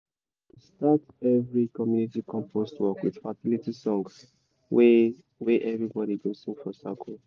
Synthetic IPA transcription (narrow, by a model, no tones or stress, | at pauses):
tustat | ɛvɹikɔmjunitikʰɔ̃mpʰostwɔkwið̥fasilitisɔ̃ŋs | w | weʔɛvɹibɔɾibĩsĩŋfɔsa̰kʰl